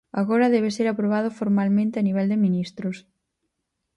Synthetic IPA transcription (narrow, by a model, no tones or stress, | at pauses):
a̰ɣoɾɐðɛβ̞eseɾapɾoβaðʊfoɾmalmẽnt̪eaniβ̞ɛld̪emĩnist̪ɾʊs